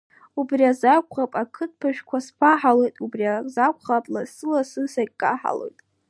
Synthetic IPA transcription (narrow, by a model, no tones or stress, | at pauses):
ubriazakʷʰʼχapʼakʰɨt̚ʰpʰaʃᶣkʷʰaspʰaħalo̞jtʼubriazakʷʰʼχapʼlasɨlasɨsaɡʲkʼaħa̰lo̞̰jtʼ